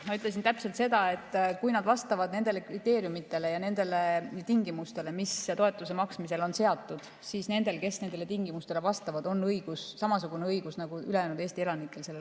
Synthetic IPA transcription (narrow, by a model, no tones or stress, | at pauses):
mɑyt̪le̞s̬int̪æpse̞lt̪se̞d̪̥ɑe̞t̪ːˑkujnɑd̪̥vɑst̪ɑvɑd̪ne̞nd̪e̞le̞krit̪ːˑe̞ːɾjumit̪ːˑe̞lejɑne̞nd̪̥e̞le̞t̪iŋɡimust̪e̞le̞mist̪oe̞t̪ːˑus̬e̞mɑksmise̞lo̞nse̞ɑt̪ːˑud̪̥ | siːsne̞nd̪e̞lke̞sne̞nd̪̥e̞le̞t̪iŋɡimust̪e̞le̞vɑst̪ɑvɑd̪̥o̞nːɤjɡ̥usːɑmɑsuɡ̥uneɤjɡ̥usnɑɡ̥uyle̞jæːnud̪e̞ːst̪ie̞lɑnikːˑe̞lse̞lːe